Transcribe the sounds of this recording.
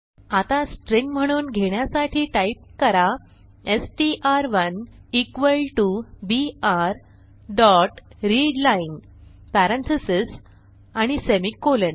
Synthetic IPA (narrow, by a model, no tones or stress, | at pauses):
at̪asʈɾiŋɡm̤əɽ̃uːnɡʱeɽjasaʈʰiːʈaip̚kəɾa | esʈiʔaɾʋənikʋəlʈubiaɾ | ɖɔʈɾiɖlaiŋɡ | pæɾənt̪ʰisis | aɽ̃isemikːolən